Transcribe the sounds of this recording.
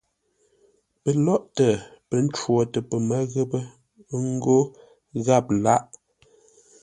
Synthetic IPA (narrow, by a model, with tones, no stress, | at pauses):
pə˨lɔ˦ʔtə˨pə˨n̩˦t͡ʃwɔ˨tə˨pə˨mə˦ɣə˦pə˦ | ŋ̩˦ɡo˦ | ɣa˦˨p̚la˦ʔ